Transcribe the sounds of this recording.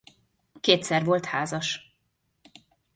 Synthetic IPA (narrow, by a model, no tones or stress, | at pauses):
keːt̪sɛrvo̞lt̪haːzɒʃ